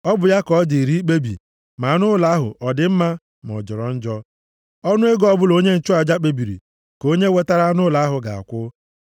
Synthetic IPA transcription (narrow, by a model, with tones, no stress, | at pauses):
ɔ˦bʊ˨ja˦kɔ˨˦di˨ɾi˦k͡pe˦bḭ˨ | ma˨˦˨nʊ˦la˦ɦʊ̰˨ʔɔ˨dɪ˨m̩˦ma˦ | mɔ̰˨d͡ʒɔ˨ɾɔ˨n̩˦d͡ʒɔ˦ | ɔ˦nʊ˦e˦ɡɔ˦bʊ˦lo˦ɲe˦n̩˨t͡ʃʊ˦a˨d͡ʒa˦k͡pe˨bi˨ɾḭ˨ | ko˦ɲe˦we˦ta˦ɾa˦nʊ˦la˨˦ɦʊ˨ɡa̰˨a̰˨kʷʊ˦